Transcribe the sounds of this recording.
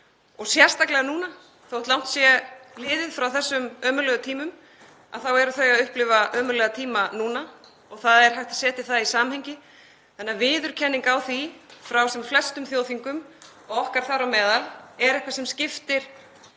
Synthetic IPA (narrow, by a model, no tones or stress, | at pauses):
ɔɣsjɛr̥st̪aklɛɣanuːna | θowht̪lawn̥t̪sjɛlɪːðɪðfɾawθɛsːʏmœːmʏlɛːɣʏt̪ʰiːmʏm | a̰ðθawɛɾʏθeɣaðʏhplɪvaʔœːmʏlɛɣat̪ʰiːmanuːna | ɔɣθaðɛɾ̥ɦajwt̪ḁsɛːt̪ɪθaðisaːmamhɛjɲcɪ | θɛnːavɪːðʏɾ̥cʰɛnːɪŋkawθifɾawsɛmflɛst̪ʏmθjoːwθiŋkʏm | ɔɣɔhkaɾ̥θaɾawmɛːðalɛɾɛhkvasɛmscɪft̪ɪɾ̥